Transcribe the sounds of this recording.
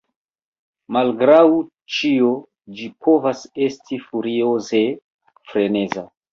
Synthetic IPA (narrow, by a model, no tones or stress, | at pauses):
malɡɾaw | t͡ʃio | d͡ʒipʰo̞vasestʰifuɾioze̞ | fɾeneza̰